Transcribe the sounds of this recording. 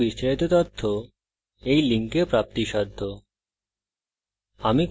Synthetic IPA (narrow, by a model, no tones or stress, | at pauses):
isɾait̪ot̪ɔt̪ʰːo | ejliŋkepɾap̚t̪iʃɔd̪ʱːo | amik